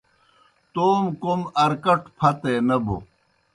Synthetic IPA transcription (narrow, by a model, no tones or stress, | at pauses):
t̪oːmkomɐɾkɐʈpʰɐt̪enɐbo̰